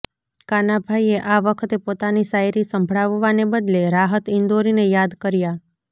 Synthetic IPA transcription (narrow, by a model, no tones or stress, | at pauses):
kanabʱaieʔaʋəkʰət̪epot̪anisajɾisəmbʱɭaʋʋanebəd̪leɾaɦət̪ɪnd̪oɾinejad̪kəɾja